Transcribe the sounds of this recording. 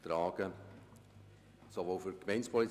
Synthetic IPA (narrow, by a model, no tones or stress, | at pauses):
t̪ɾaːɡ̥ə | soʋoːfyɾkmɛɪnspʰɔli